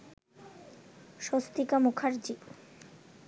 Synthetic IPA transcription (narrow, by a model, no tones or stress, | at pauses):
ʃost̪ikamukʰaɾd͡ʑi